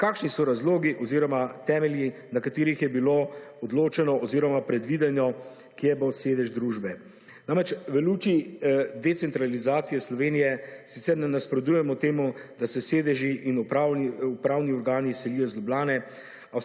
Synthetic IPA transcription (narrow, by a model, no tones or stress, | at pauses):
kaːkʃnisɔɾazloːɡiʔɔziːɾɔmat̪ɛːmɛlji | nakat̪eːɾixjɛbiloɔd̪loːt͡ʃɛnɔʔɔziːɾɔmapɾɛd̪ʋid̪ɛnjɔ | kiɛboseːd̪ɛʒd̪ɾuːʒbɛ | naːmɾɛt͡ʃʋɛluːt͡ʃid̪ɛt̪sɛnt̪ɾalizaːt̪sijɛslɔʋeːnijɛsit̪sɛɾnɛnaspɾɔd̪ujɛmɔt̪eːmud̪asɛseːd̪ɛʒiʔːnupɾaːniupɾaːwniɔɾɡaːnisɛliːjɔzlʲublaːnɛ | a